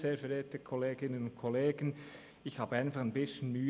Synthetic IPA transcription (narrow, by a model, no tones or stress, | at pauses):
z̥eːɐfɛɾeːtəkʰɔleːɡɪnənʊnt̚kʰɔleːɡ̥ən̩ | ɪçhaːbəaɪnfɑχænbɪsçənmyː